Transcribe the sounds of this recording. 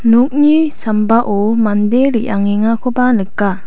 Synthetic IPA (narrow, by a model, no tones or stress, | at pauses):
nok̚ɲisambaʔomand̪eɾiʔaŋeŋakʰobanɯkːa